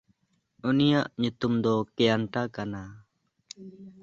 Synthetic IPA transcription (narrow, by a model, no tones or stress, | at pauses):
unijaʔɲut̪umd̪ɔkɛjaɳʈakana